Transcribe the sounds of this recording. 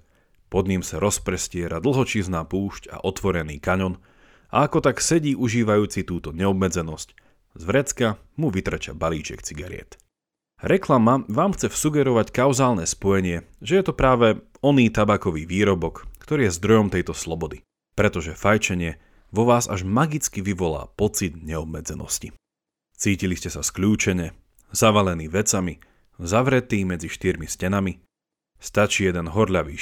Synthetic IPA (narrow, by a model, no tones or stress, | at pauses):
pɔd̪ɲimsaɾɔspɾɛscɪɛɾad̪l̩ˠɦɔt͡ʃiːznaːpuːʃca̰ʔɔt̪ʋɔɾɛnḭːkaɲɔn | ʔa̰akɔt̪aksɛɟiːʔuʒiːʋajuːt͡sit̪uːt̪ɔɲɛɔbmɛd͡zɛnɔsc | zʋɾɛt͡ska | muʋit̪ɾɛt͡ʃa̰balḭːt͡ʃɛ̰kt͡siɡaɾɪ̰ɛ̰t̪ | ɾɛklamaʋaːmxt͡sɛfsuɡɛɾɔʋackaʊzaːlnɛspɔjɛɲɪɛʒɛjɛt̪ɔpɾaːʋɛ | ɔniːt̪abaːkɔʋiːʋiːɾɔbɔkkt̪ɔɾiːjɛzd̪ɾɔjɔmt̪ɛjt̪ɔslɔbɔd̪i | pɾɛt̪ɔʒɛfajt͡ʃɛɲɪɛ | ʋɔʋaːza̰ʒmaɡit͡skiʋiʋɔla̰ːpɔt͡sid̪ɲɛɔb̚mɛd͡zɛnɔ̰sci | t͡siːciliscɛsaskʎuːt͡ʃɛɲɛ | zaʋalɛniːʋɛt͡sami | zaʋɾɛt̪iːmɛd͡ziʃt̪iɾmiscɛnami | st̪at͡ʃiːjɛd̪ɛnɦɔɾʎaʋiː